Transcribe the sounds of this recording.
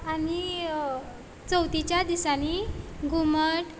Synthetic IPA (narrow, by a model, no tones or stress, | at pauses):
ani | t͡səwt̪it͡ɕjad̪isaniɡʱuməʈ